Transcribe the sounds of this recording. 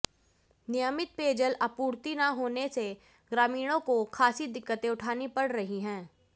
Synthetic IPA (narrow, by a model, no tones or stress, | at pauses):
nɪjəmɪt̪̚peːd͡ʒəlɐpuːɾt̪inaɦoːnese | ɡɾaːmiːɽ̃õkokʰaːsid̪ɪkːət̪ẽʊʈʰaːnipɐɽɾɐɦiɦɛ̃ː